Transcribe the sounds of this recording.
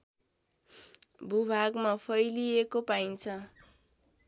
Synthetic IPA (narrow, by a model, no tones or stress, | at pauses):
bʱubʱaɡmapʰʌjliekopajnt͡sʰʌ